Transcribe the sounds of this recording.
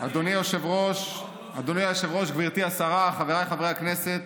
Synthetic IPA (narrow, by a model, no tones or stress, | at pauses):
ad̪onijoʃevʁo̞ʃ | ad̪oniajoʃevʁo̞ʃɡviʁt̪iasaʁaχaveʁajχavʁeakne̞se̞t̪